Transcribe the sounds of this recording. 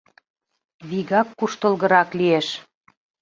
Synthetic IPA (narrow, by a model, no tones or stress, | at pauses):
βiɣɑkːuʃt̪əlɣə̆ɾɑklieʃ